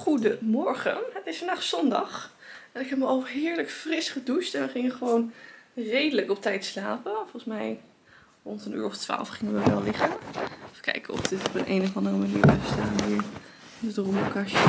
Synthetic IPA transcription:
χudəmɔɹχə̰nɦətɪsəndɑχsɔndɑ̰χ | ɛnɪkɦɛpməɑlˠɦɪːɹləkfrɪsχədustɛnʋəχɪŋəχəʋownrejdələkɔp̚tɛjtslaːpəfɔlˠsmɛj | rʊntəny̰ːɹɔftʋa̰ːlˠfχɪŋənʋəʋɛlˠlɪχənfə̥kɛ̰jkəɔ̰fdɪtɔpənḛjnəfɑndərəmanḭːɹbɛəstaːnʋɪːɹ | ɪnədrumokaʃə

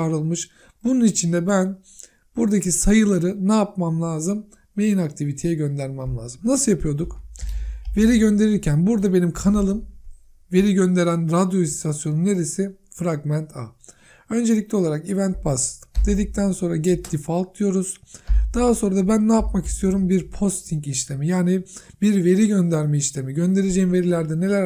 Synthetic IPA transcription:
aɾɯlˠmɯʃ | bununit͡ʃʰind̪ɛbæn | b̥uɾd̪acʰisajɯlˠaɾɯnaːapmamlˠaːzɯmː | e̞jinakt̪ʰivit̪ʰejɛɟø̞nd̪æɾmæmlʲˠaːzɯmnasɯjapʰɯjo̞d̪uk | ve̞ɾiɟø̞nd̪e̞ɾiɾcʰænbuɾd̪abe̞nimkʰanalˠɯm | ve̞ɾiɟø̞nd̪e̞ɾænɾad̪joist̪ʰasjo̞nune̞ɾesifɾaɡmænt̪ʰa | ø̞nd͡ʒe̞lʲic̚lʲɛo̞lˠaɾakivænt̪̚basd̪̥e̞d̪ic̚t̪ʰænso̞nɾaɟɛt̪ʰːifalˠklˠɯjo̞ɾuz̥ | d̪̥aɦaso̞nɾad̪abænːɛjapmaki̥st̪ʰijo̞ɾumbiɾpʰo̞st̪ʰiɲciʃlʲe̞mijaːnibiɾve̞ɾiɟø̞nd̪æɾmeiʃlʲe̞miɟø̞nd̪e̞ɾed͡ʒejimve̞ɾilʲæɾd̪ɛne̞lʲæɾ

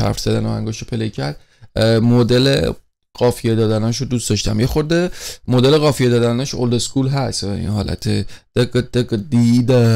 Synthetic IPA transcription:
æ̰fɾz̥æd̪ænoæ̰ŋɡoʃɾopʰelecʰæɾd̪̥ | mod̪elḛ | ɣ̥ɒːfijed̪ɒːd̪ænɒːʃod̪ustd̪ɒʃt̪æmjexoɾd̪emod̪eleɣɒːfijed̪ɒːd̪ænæʃo̰ld̪eskuːlɦæst̪ḭnɦɒːlʔæ̰t̪ʰed̪̥eɡd̪̥eɡd̪id̪e

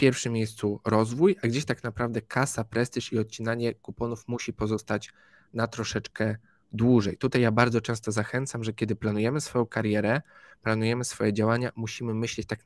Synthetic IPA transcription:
fpʲjɛɾfʂɘmːʲjejst̪suɾɔzvujaɡd͡ʑeɕt̪aknapɾavd̪ɛkʰasapɾɛst̪iʂiɔt̪̚t͡ɕinaɲɛkupɔnufmuɕipɔzɔst̪at͡ɕ | nat̪ɾɔʂɛt͡ʂkɛ | d̪wuʐɛjt̪ut̪ajːabaɾd̪zɔt͡ʂɛ̃st̪ɔzaxɛnt̪samʐɛkʲɛd̪ɘplanujɛmɘsfɔjɔ̃w̃kaɾjɛɾɛplanujɛmɘsfɔjɛd͡ʑawaɲamuɕimɘmɘɕlɛt͡ɕt̪ak

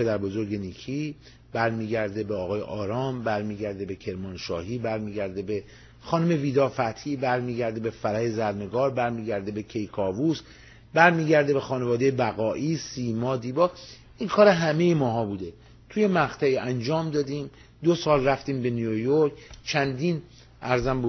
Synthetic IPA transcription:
pʰed̪æɾbo̞zo̞ɾɡe̞niːcʰi | bæɾmiːɟæɾd̪e̞beɒːɣɒːjḛʔɒːɾɒːmbæɾmiːɟæɾd̪e̞be̞cʰe̞ɾmɒːnʃɒːhiːbæɾmiːɟæɾd̪e̞be | xɒːnome̞viːd̪ɒːfæt̪hiːbæɾmiːɟæɾd̪ebe̞fæɾæjezæɾne̞ɡɒːɾbæɾmiːɟæɾd̪e̞be̞cʰe̞jkʰɒːvus | bæɾmiːɟæɾd̪ebe̞xɒːnevɒːd̪ejebæɣɒːʔiːsiːmɒːd̪iːbɒː | inkʰɒːɾeɦæme̞jemɒːɦɒːbuːd̪e̞ | t̪ʰuːje̞mæɣt̪ʰæiːʔænd͡ʒɒːmd̪ɒːd̪iːm | d̪osɒːlræft̪iːmbe̞nijojoɾkt͡ʃʰænd̪iːn | ʔæɾzæmbu

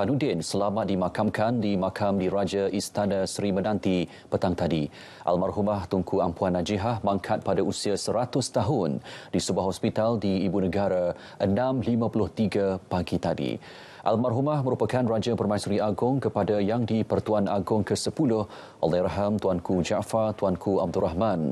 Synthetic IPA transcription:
panudɪnsəlamat̪̚dimãkamkʰandimakʰamdiɾad͡ʒaʔist̪anasɾimənãnt̪i | pət̪aŋt̪adi | ʔa̰lmarɦumaht̪uŋkʰuampuanːãd͡ʒiɦahmãŋkʰat̪̚padausiasəɾat̪ʊst̪aɦʊndisəbuahɦɔspit̪aldiːbunəɡaɾa | ʔənãmlimãpulʊht̪iɡapaɡit̪adḭ | ʔa̰lmarɦumahmə̃ɾupakanrad͡ʒapərmajsuɾiʔaɡʊŋkəpadajaŋdipərt̪uanaɡʊŋkəsəpulʊh | ʔɔ̰lajɾaɦamt̪uankud͡ʒaʔfart̪uankʰuab̚dʊraɦmãn

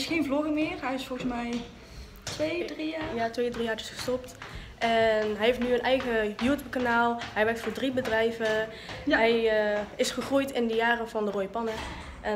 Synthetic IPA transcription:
sxejnvlɔɣəmɪːrɦɛjɪsfɔlˠɣəsmɛj | tʋejrijatʋejdriaːɹtɪ̥sχə̥stɔptʔɛnɦɛjɦeftnyənʔɛjɣəjuːtjup̚kanaːlˠɦɛjʋɛɹk̚tfʊːɹdribədrɛjvə | ɦɛjəɪsχəχrujtɪndəjaːrəvɑndəroːjəpɑnə | ʔɛ

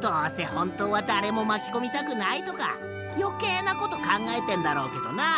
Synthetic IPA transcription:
d̪̥oːsehõ̞nt̪o̞ːβad̪aɾe̞mo̞makʲi̥ko̞mʲit̪akɯ̟nait̪o̞ka̰ | jo̞keːnako̞t̪o̞kãŋɡaet̪ẽ̞nd̪aɾo̞ːke̞d̪o̞na

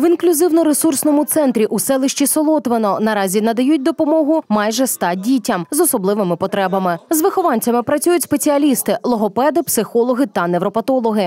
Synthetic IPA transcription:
ʋinklʲʊzɪwnɔɾesursnɔmʊt̪sɛnt̪ɾʲiʔusɛlˠɪʃt͡ʃisɔlˠɔt̪ʋenɔnɐɾɑzʲinɐd̪ɐjut̚ʲd̪ɔpɔmɔɦʊmɑjʒɛst̪ɑdʲitʲɐmzɔsɔblˠɪʋɪmɪpɔt̪ɾɛbɐmɪzʋɪxɔʋɑnʲt͡sʲɐmɪpɾɐt͡sʲujʊtʲspet͡sʲiɐlʲist̪ɪlˠɔɦɔpɛd̪ɪpsɪxɔlˠɔɦɪt̪ɐnɛwɾɔpɐt̪ɔlˠɔɦɪ

